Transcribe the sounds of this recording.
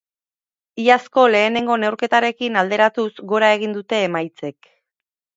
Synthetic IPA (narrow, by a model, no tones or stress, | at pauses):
iasko̞le̞ːne̞ŋɡo̞ne̞wɾke̞t̪aɾe̞kinald̪e̞ɾat̪uzɡo̞ɾae̞ɣ̞ind̪ut̪e̞ːmajt͡se̞k̚